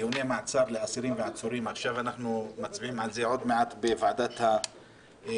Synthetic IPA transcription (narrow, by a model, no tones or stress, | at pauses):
unemat͡savleasiɾimveat͡soɾimaχʃavanaχnumat͡sbiimalzeʕo̞d̪meat̪bevaʕd̪at̪ha